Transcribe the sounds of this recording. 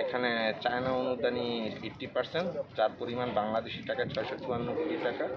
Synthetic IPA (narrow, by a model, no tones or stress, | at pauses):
ekʰanet͡ɕaenaonud̪anieʈːipaɾseɳʈd͡ʑaɾpoɾimanbaŋlad̪eʃiʈakat͡ɕʰɔeʃɔt͡ɕuɦanːokoʈiʈaka